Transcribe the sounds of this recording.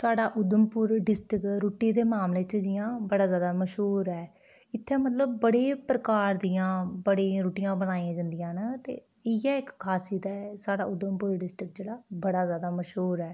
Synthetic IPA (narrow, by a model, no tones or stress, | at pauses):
saːɽaːʔʊd̪əmpʊɾɖɪsʈɾɪkɾuːʈiːd̪eːmaːmleːt͡ʃəd͡ʒijãːbəɽaːzjaːd̪aːməʃɦuːɾɛː | ɪt̪ʰːɛ̃ːmət̪ləb̚ːəɽeːpɾəkaːɾd̪ijãːbəɽẽːɾuːʈijãːbəñaːiãːd͡ʒand̪ɪjãːnət̪ḛː | ɪjaːɪkkʰːaːsiːd̪aːɛsaːɽa̰ːʊd̪əmpʊɾɖɪsʈɪkd͡ʒeːɽaːbəɽaːzjaːd̪aːməʃɦuːɾɛː